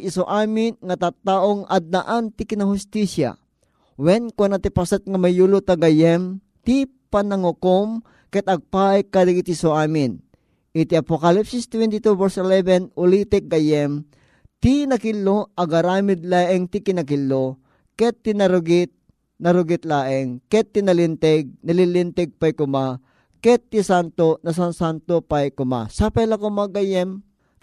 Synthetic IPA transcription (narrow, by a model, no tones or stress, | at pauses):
ʔisoʔaːmɪnŋat̪at̪ːaʔoŋɐd̪̚naʔant̪ikɪnahʊst̪isja̰ | wɛnkonɐt̪ipasat̪̚ŋɐmɐjulʊt̪aɡɐjɛm | t̪i | panɐŋʊkom | kɛt̪ɐɡ̚pajkad̪ɐɡit̪isoʔaːmɪn | ʔit̪iɐpokɐlipsist̪wɛnt̪it̪uvɛɹsɛlɛvɛnulit̪ɛk̚ɡajɛm | t̪inɐkilːoʔɐɡɐɾaːmɪd̪laːʔɛŋt̪ikinɐkilːo | kɛt̪ːinɐɾʊɡɪt̪̚ | nɐɾʊɡɪt̪laːʔɛŋkɛt̪ːinɐlint̪ɛɡ̚nɐlilint̪ɛɡ̚pajkʊma | kɛt̪ːisant̪onɐs̬ansant̪opajkʊma̰sapɛlɐkʊmaɡajɛm